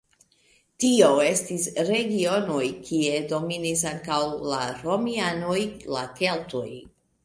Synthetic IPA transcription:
tiowe̞stisɾe̞ɡio̞no̞jkʰie̞do̞minisaŋkawlaɾo̞miano̞jlake̞lto̞̰j

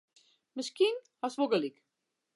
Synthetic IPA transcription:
mɪskinhɔsʋoɡəlik

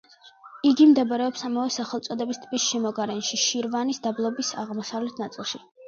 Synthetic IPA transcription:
iɡimd̪ɛbɾɛɔpsamavɛsaχɛlˠt̪sʼɔd̪ɛbist̪ʰʼbisʃɛmɔɡaɾɛnʃiʃiɾvanisd̪ablˠɔbisa̰ʁmɔsavlɛt̪ʰnat̪sʼilˠʃi

